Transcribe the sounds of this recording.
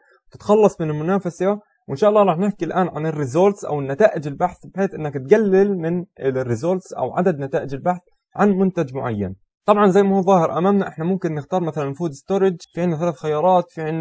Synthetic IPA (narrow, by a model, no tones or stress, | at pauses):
wt̪ɪ̥t̪xɑlːɑsˤmɪnɪlmʊnaːfasa | wʔɪnʃaːʔɑlˤːɑːɾˤɑːħnɪħkilʔaːnʕanɪrːɪzoːɾt̪sʔa̰wɪnːat̪aːʔɪd͡ʒɪlbaħθbħeːθʔɪnːakt̪̚ɡalːɪlmɪnrːɪzoːɾt̪sʔa̰wʕa̰d̪ad̪nat̪aːʔɪd͡ʒɪlbaħθ | ʕanmʊnt̪ad͡ʒmʊʕa̰jːa̰n | t̪ˤɑbʕɑnzajːmahuːðˤɑːhɪɾʔamaːmnaʔɪħnamʊmkɪnːɪxt̪ɑːɾˤmaθalanːfuːd̪ɪst̪oɾˤɪd͡ʒfiʕɪnːaθalaːθxajɑːɾˤɑːt̪fiʕɪnː